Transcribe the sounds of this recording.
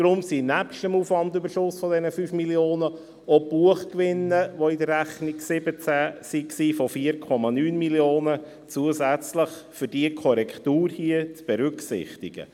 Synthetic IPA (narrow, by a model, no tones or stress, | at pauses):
d̥ɾʊmsinæpʃtəmuːfʋɑndybəɾʃʊsfɔdɛnəfyːfmiljoːnə | ɔb̥uəχkʋɪnːəʋoɪdərːæχniksɪbət͡sæsiksiːfɔfiːəɾkʰɔmɑnyːnmiljoːnə | t͡suəzæt͡sləχfʏɾdiəkʰɔɾɛkʰt̪uːɾhiət͡sb̥ɛɾʏksɪ̰χt̪iɡ̥ə̰